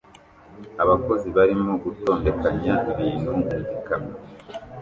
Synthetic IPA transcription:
aβako̞ziβaɾimo̞ɡuto̞ːnde̞kaɲaiβiːnduuɡikami

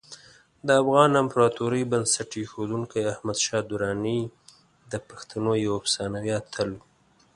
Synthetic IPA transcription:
d̪əafɣɑnampɾɑt̪uɾəjbansaʈexod̪uŋkajahmad̪ʃɑd̪ʊɾɑni | d̪əpḁxt̪anojawapsɑnawjɑt̪ʰəl

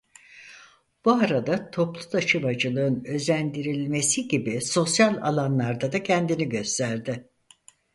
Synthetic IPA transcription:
b̥uaɾad̪at̪ʰo̞plˠud̪ʰat͡ʃɯmad͡ʒɯlˠɯɯnø̞zænd̪iɾilʲme̞siɟibiso̞sjalʲa̰lˠanlˠaɾd̪ad̪acʰɛnd̪iniɟø̞st̪ʰæɾd̪ɪ

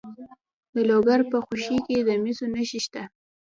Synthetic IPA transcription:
d̪əloɡaɾpəxoʃiked̪əmisonəʃiʃt̪a

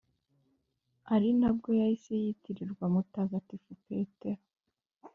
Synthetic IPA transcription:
aɾinab̚ɡo̞jaise̞jitiɾiɾɡwamutaːɡatifupe̞te

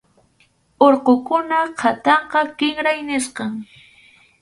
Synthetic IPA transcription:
oɾqokʊnahʰat̪ɑɴqɑkɪŋɾajnɪsqɑŋ

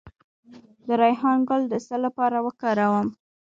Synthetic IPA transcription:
d̪əɾɑjɦɑnɡʊld̪əsəlːapɑɾawəkɑɾawəm

